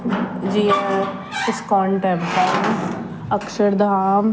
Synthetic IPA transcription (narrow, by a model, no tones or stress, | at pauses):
d͡ʒiːa | ɪskɔːɳʈɛːbʈaː | əkʃəɾd̪ʱaːm